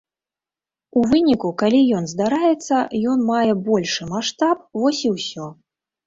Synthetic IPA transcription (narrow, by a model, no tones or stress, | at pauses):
uvɨnʲikukalʲijɔnzd̪aɾajɛt̪sːɐjɔn̪majɛbɔlʲʂɨmaʂt̪ap̚vɔsʲiwsʲɔ